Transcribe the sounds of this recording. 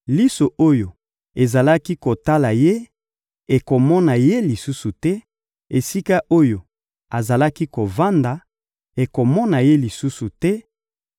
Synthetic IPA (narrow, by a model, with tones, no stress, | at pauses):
li˦so˨ʔo˦jo˨ | e˨za˨la˦ki˦ko˨ta˦la˨je˦ | e˨ko˨mɔ˦na˨je˦li˨su˦su˨tɛ˦ | e˨si˦ka˦ʔo˦jo˨ | a˨za˨la˦ki˦ko˨va˦nda˨ | e˨ko˨mɔ˦na˨je˦li˨su˦su˨tɛ˦